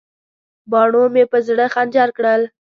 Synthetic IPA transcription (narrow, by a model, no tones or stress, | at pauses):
bɑɳomepəzɽəxand͡ʒɑɾkɽəl